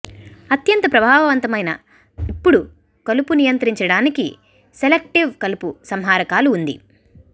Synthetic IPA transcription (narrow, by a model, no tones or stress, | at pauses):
ɐt̪jɐnt̪ɐpɾɐbʱaːʋɐʋɐnt̪ɐmɐjnɐ̰ | ipːuɽu | kɐlupunijɐnt̪ɾiɲt͡ʃɐɽaːnikḭ | selek̚ʈiʋkɐlupusɐmɦaːɾɐkaːluːnd̪ḭ